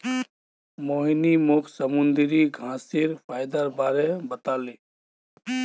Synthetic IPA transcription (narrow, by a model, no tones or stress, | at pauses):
moɦinimʊkʰsəmund̪ɾiɡʱãːsiɾpʰaːjd̪əɾbaɾebət̪aːli